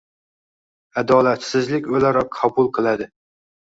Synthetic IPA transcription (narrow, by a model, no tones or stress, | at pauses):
ad̪ɒlat̪sɪzlɪkʲɵlaɾɒqʰːɒbʊlˠqʰɨlˠad̪ɪ